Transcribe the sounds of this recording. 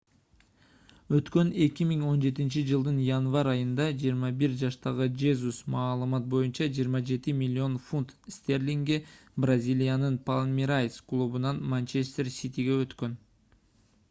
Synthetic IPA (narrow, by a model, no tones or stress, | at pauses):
ø̞t̪kø̞ne̞kʲimiŋo̞nd͡ʒe̞t̪int͡ʃid͡ʒɯlˠd̪ɯnjanvɑɾɑjɯnd̪ɑd͡ʒijːɾmɑbiɾd͡ʒɑʃt̪ɑʁɯd͡ʒezusmɑːlˠɯmɑt̪̚bo̞junt͡ʃɑd͡ʒijːɾmɑd͡ʒe̞t̪imʲilʲːo̞nfunt̪st̪ʲe̞rlʲiŋɡebrazʲilʲijanɯnpalˠmʲiɾajsklˠubunɑnmant͡ʃest̪e̞rsʲit̪ʲiɡe̞øt̪kø̞n